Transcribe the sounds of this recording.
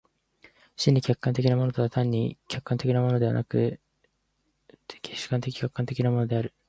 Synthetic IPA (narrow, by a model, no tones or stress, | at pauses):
ɕĩɲ̟ːikʲakːãnt̪e̞kʲinamo̞not̪oβat̪ãɲ̟ːikʲakːãnt̪e̞kʲinamo̞no̞d̪e̞βa̰nakɯ̟ | kʲeɕɨ̥kãnt̪e̞kʲi̥kʲakːãnt̪ekʲinamo̞no̞d̪e̞aɾɯ̟